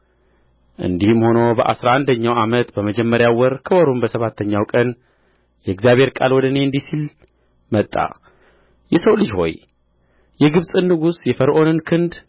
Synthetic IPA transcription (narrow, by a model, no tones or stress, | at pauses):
ʔɨ̰nd̪ihmho̞nobəʔa̰sɾaʔand̪əɲːawamət̪bəməd͡ʒɛmːəɾjawɔɾkʰəwɔɾumbəsəβat̪ʰːəɲːawkʼən | jɛɡzjaβhe̞ɾkʼa̰lwɔd̪əne̞ɨnd̪isil | mət̪ʼːa̰ | jɛsəwlɨd͡ʒho̞̰j | jɛɡɨβsʼɨnːɨɡusjɛfəɾʔo̞nɨnkʰɨnd̪